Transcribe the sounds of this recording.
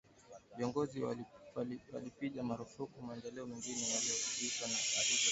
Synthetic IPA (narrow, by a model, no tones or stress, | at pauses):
viɔŋɡɔzi | wa̰lipiɠamaɾufukumaɛndɛlɛɔmɛŋɡinɛwaliɔuzikanaaɾi